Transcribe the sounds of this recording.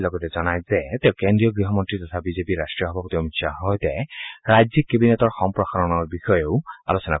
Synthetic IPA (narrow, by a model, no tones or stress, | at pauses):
lɔɡɔtɛzɔnajzɛtɛʊ̃kendɹijɔɡɹiɦɔmɔntɹitɔtʰabizepiɹastɹijɔɦɔbʱapɔtiɔmiksʰaɦɔjtɛɹajzikːebinɛtɔɹxɔmpɹɔxaɹɔnɔɹbixɔjeʊa̰lusɛna̰